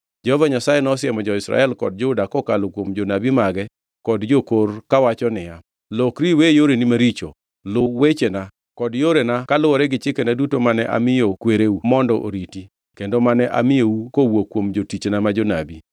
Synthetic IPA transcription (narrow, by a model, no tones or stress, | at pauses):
d͡ʒɛhovaɲasajenɔsɪjɛmɔd͡ʒɔɪsɾa̰ɛlkɔ̰d̚d͡ʒʊdakɔkalokwomd͡ʒonabimaɡɛ | kɔdd͡ʒokorkawat͡ʃɔnɪja | lokɾiwejoɾenimaɾit͡ʃo̰ | lʊwet͡ʃena | kɔdjoɾenakalʊwɔɾɛɡɪt͡ʃɪkenadutomanɛʔa̰mɪjokweɾeumɔndɔʔo̰ɾiti | kendomanɛʔa̰mɪjoukowokwomd͡ʒotit͡ʃnamad͡ʒonabi